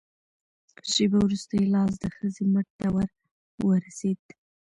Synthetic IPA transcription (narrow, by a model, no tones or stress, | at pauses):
ʃebawɾust̪əjlɑs̬d̪əxəzeməʈ̚d̪awaɾ | wəɾased̪̥